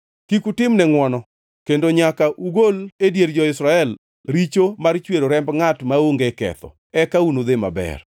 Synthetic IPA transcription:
kikutɪmnɛŋwɔnɔ | kendoɲakaʔuɡoledjeɾd͡ʒɔɪsɾaɛl | ɾit͡ʃomart͡ʃweɾoɾɛmbŋatmaoŋɡɛkɛ̰t̪ɔ̰ | ɛkaunod̪ema̰bɛ̰r

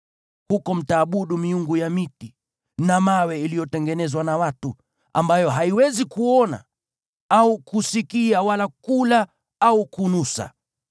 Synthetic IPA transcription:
hukɔm̩taːɓuɗumiuŋɡujamiti | namawɛilijɔtɛŋɡɛnɛzwanawatu | a̰mbajɔɦaiwɛzikuɔna̰ | aukusikiawalakula | aukunusa̰

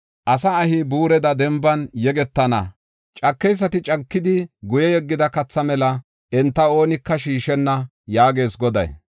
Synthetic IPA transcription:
ʔɐsɐːhɪbuːɾɛd̪ɐd̪ɛmbɐnjɛɡɛt̪ːɐnɐ̰ | t͡ʃʼɐkːɛjs̬ːɐt̪ɪt͡ʃʼɐkːɪd̪ɪɡʊjɛjɛɡːɪd̪ɐkɐt͡sːɐmɛlɐ | ɛnt̪ːɐo̞ːnɪkːɐʃiːʃɛnːɐ | jaːɡe̞ːsɡɔd̪ɐ̰j

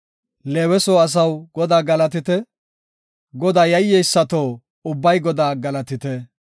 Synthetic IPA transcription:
leːwɛsoɐs̬ɐwɡɔd̪aːɡɐlɐt̪̬ɪt̪ɛ | ɡɔd̪aːjɐjːɛjsːɐt̪oː | ʊbːɐjɡɔd̪aːɡɐlɐt̪ɪt̪ɛ

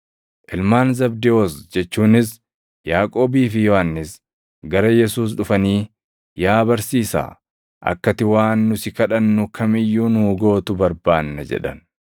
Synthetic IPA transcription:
ʔɪlmaːnzɐbd̪ɪosd͡ʒɛt͡ʃːuːnɪs | jaːkʼo̞ːbiːfɪjɔhɐnːɪs | ɡɐɾɐjɛsuːs̬ᶑʊfɐniː | jaːbɐɾsiːsa̰ː | ʔɐ̰kːɐt̪ɪwaːnːʊsɪkɐᶑɐnːʊkʰɐmɪjːuːnʊːɡo̞ːt̪ʊbɐɾbaːnːɐd͡ʒɛ̰ᶑɐ̰n

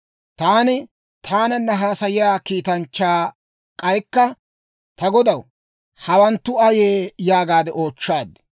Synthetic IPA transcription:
t̪aːnɪ | t̪ʰaːnɐnːɐɦaːsɐjɪjaːkiːt̪ɐnt͡ʃːaː | kʼɐjkːɐ | t̪ɐɡɔd̪ɐw | hɐwɐnt̪ːʊɐjeːjaːɡaːd̪ɛʔo̞ːt͡ʃːaːd̪

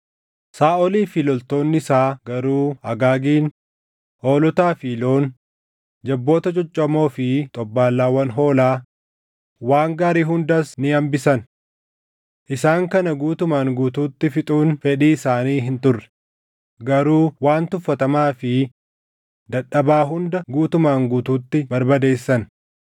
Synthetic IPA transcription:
saːɔliːfiːlɔlt̪o̞ːnːɪsaːɡɐɾuːɐɡaːɡiːn | hoːlɔt̪aːfiːlo̞ːn | d͡ʒɐbːo̞ːt̪ɐt͡ʃʼɔt͡ʃʼːɐmo̞ːfɪt̪ʼɔbːaːlːaːwɐnɦo̞ːlaː | waːŋɡaːɾiːɦʊnd̪ɐsnɪɐmbɪsɐn | ʔɪsaːŋkɐnɐɡuːt̪ʊmaːŋɡuːt̪uːt̪ːɪfɪt̪ʼuːnfɛᶑiːɪsaːniːɦɪnt̪ʊrːɛ̥ | ɡɐɾuːwaːnt̪ʊfːɐt̪ɐmaːfɪ | d̪ɐᶑɐbaːɦʊnd̪ɐɡuːt̪ʊmaːŋɡuːt̪uːt̪ːɪbɐɾbɐd̪e̞ːsːɐn

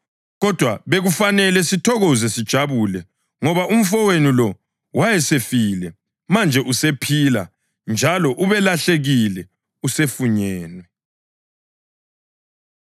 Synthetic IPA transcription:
ɣɔd̥ʱwaβeɣufanɛlɛsitʰɔɣɔzɛsid̥ʒ̥ʱaβulɛ | ŋɔβaum̩fɔwenilɔ | wajɛsefilɛ | mand͡ʒʱɛʔusepʰila̰ | nd͡ʒʱalɔʔuβɛlaɬeɣilɛ | usefuɲɛːnwɛ

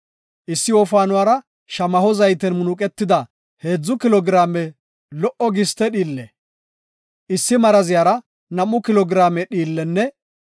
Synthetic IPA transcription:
ʔɪsːɪwɔːfaːnʊwaːɾɐ | ʃɐmɐhɔzɐjt̪ɛnmʊnʊkʼɛt̪ːɪd̪ɐ | heːd͡zːʊkɪlɔɡɾaːmɛ | lɔʔɔɡɪst̪ɛɗiːlːɛ̰ | ʔɪsːɪmɐɾɐzɪjaːɾɐ | nɐmːʊkɪlɔɡɾaːmɛɗiːlːɛnːɛ

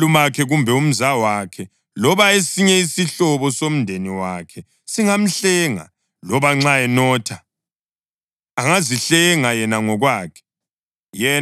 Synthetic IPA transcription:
lumakʰɛɣumbʱɛum̩zawakʰɛ | lɔβaesiɲɛisiɬɔβɔsom̩ndʱeniwakʰɛ | siŋam̩ɬɛŋa̰ | lɔβaŋ͡ǁaɛnɔːtʰa | aŋaziɬɛŋajɛnaŋɔɣwaːkʰɛ̥ | jɛ

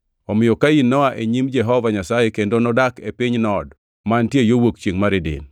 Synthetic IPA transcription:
ɔmɪjɔkainːɔwaʔeɲimd͡ʒɛɦɔvaɲasajekendonɔdakepɪɲnɔd | mantjejowokt͡ʃeŋmaɾedɪ̰n

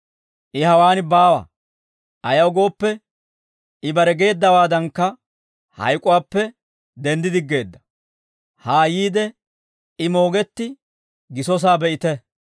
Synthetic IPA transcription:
ʔɪhɐwaːnbaːwɐ̰ | ʔɐjɐwɡo̞ːpːɛ | ɪbɐɾɛɡe̞ːd̪ːɐwaːd̪ɐŋkːɐ | hɐ̰jkʼʊwaːpːɛ | d̪ɛnd̪ɪd̪ɪɡːe̞ːd̪ːɐ̥ | haːjiːd̪ɛ | ɪmo̞ːɡɛt̪ːɪ | ɡɪsɔs̬aːbɛʔɪt̪ɛ

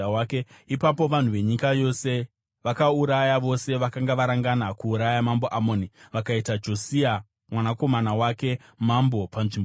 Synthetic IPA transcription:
wkeipapo̞ʋan̤uʋe̞ɲikajo̞se̞ | ʋakauɾajaʋo̞se̞ʋakaŋɡaʋaɾaŋɡanakuːɾajamambo̞ʔamo̞ːniʋakaitad͡ʒo̞sia | mwanako̞manawake̞ | mambo̞panʐimbo

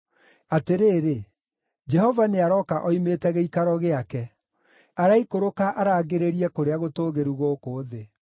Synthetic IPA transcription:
ateɾeːɾe | d͡ʒɛɦɔvaneaɾɔkaʔɔimetɛɣɛikaɾɔɣeakɛ | aɾaikoɾokaʔaɾaːɣeɾeɾiɛkoɾeaɣotoːɣeɾuɣokoːðe

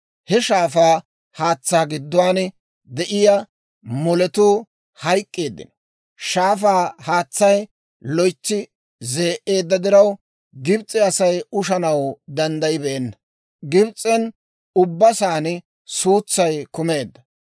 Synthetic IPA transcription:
hɛʃaːfaː | haːt͡sːaːɡɪd̪ːʊwaːn | d̪ɛʔɪjɐ | mɔlɛt̪uː | hɐjkʼːeːd̪ːɪ̰n | ʃaːfaːhaːt͡sːɐj | lɔjt͡ʃːɪ | ze̞ːʔe̞ːd̪ːɐd̪ɪɾɐw | ɡɪbt͡sʼɛɐsɐjʊʃɐnɐwd̪ɐnd̪ɐjɪbɛʔɛnːɐ | ɡɪbt͡sʼːɛn | ʊbːɐsaːn | suːt͡sːɐjkʊme̞ːd̪ːɐ̥

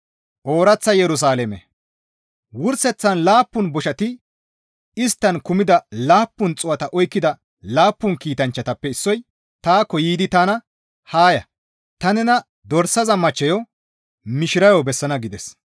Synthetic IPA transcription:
ʔo̞ːɾɐt͡sːɐjɛɾʊs̬aːlɛmɛ | wʊɾsɛt͡sːɐnlaːpːʊnbɔʃɐt̪ɪ | ɪst̪ːɐnkʊmɪd̪ɐlaːpːʊnt͡sʼʊwɐt̪ɐʔɔjkːɪd̪ɐ | laːpːʊnkiːt̪ɐnt͡ʃːɐt̪ɐpːɛɪsːɔj | t̪aːkːɔjiːd̪ɪt̪anɐ | haːjɐ̰ | t̪ɐnɛnɐ | d̪ɔɾsɐzɐmɐt͡ʃːɛjɔ | mɪʃɪɾɐjɔbɛsːɐnɐɡɪd̪ɛs

